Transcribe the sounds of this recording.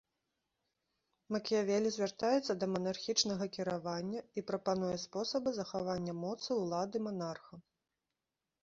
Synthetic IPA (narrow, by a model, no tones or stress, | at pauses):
mɐkʲijavʲɛlʲizʲvʲart̪ajɛt̪sːɐd̪ɐmɐnarxʲit͡ʂnɐɣɐkʲiɾavanʲːɐipɾɐpan̪ujɛspɔsɐbɨzɐxavanʲːɐmɔt̪sɨwlˠad̪ɨmanarxɐ